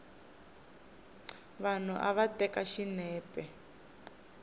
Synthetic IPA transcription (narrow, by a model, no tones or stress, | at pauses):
βan̤uʔaβatʼɛkaʃinɛːpʼɛ